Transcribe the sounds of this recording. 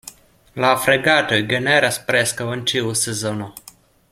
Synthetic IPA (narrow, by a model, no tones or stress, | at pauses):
lafɾeɡat̪ojɡeneɾaspɾeskawənt͡ʃiusezono